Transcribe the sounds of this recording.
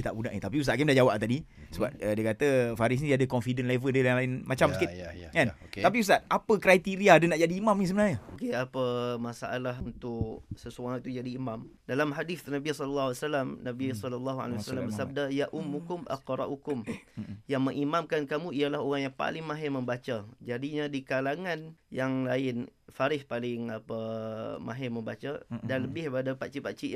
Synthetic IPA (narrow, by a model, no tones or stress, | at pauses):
ət̪a̰ʔbuda̰ʔnit̪apius̬aʔkamdad͡ʒawap̚t̪adisəbap̚ədiəkat̪əfaɾis̬nidiadəkɔnfidənlɛvəldəljaŋlaɪnmat͡ʃamsəkɪtkant̪ap̬iusat̪apəkɾajt̪iɾiaːdənaʔd͡ʒadiːmamnisəbənarɲəokeapəmasa̰ʔalaɦunt̪ʊʔsəsuaŋit̪ud͡ʒadimãm | dalamɦadiθnabisɔllːaasalamnabisɔləlːaɦua̰lewsalambəsab̚dajaʔumːukʊmʔa̰qɾˤɑ̰ʔukʊmjaŋməŋimamkankamuijalaɦoɣaŋjaŋpa̰lɪŋmãɦɪməmbat͡ʃad͡ʒadiɲadikalaŋanjaŋlaɪnfaɾɪhpalɪŋapamã̰ɦɪməmbat͡ʃadanləbɪhpadapat͡ʃipat͡ʃi